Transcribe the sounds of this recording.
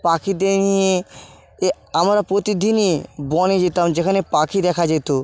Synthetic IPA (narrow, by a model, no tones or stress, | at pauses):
pakʰid̪eɾnije | e | amɾapɾot̪id̪ʱinibɔned͡ʑit̪amd͡ʑekʰanepakʰid̪ɛkʰad͡ʑajt̪o